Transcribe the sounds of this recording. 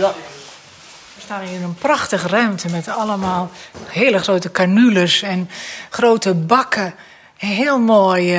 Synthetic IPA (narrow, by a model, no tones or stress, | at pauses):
fəstaːnɪnənpraxtəxrœɥmtʰəmɛtaləmaːlˠhɪːləχroːtəkanyləsɛnχroːtəbakʰə | ɦɪəlˠmoːj